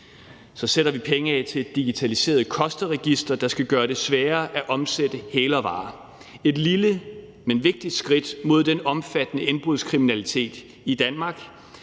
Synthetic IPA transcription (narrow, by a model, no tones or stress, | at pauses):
sɒ̽seɾ̥ɐʋipʰeŋəɛt͡sʰe̝̥iɡ̥it͡sʰælise̝̰ːɐðˠkʰɒ̽sd̥əʁɛɡ̥isd̥ʁɐd̥ɑ̈sɡ̥æɡ̥ɶːɐɾe̝sʋɛːɐʔæʔɒ̽msed̥əheːlɒ̽ʋɑ̰̈ː | e̝d̥lilə | menʋe̝ɡ̥̚d̥id̥sɡ̥ʁid̥mo̝ð̞̰ˠd̥enɒ̽mfæd̥ənəe̝nb̥ʁuðˠskʰʁiminælit͡sʰe̝̰ːd̥ | id̥ænmɑ̈ːɡ̥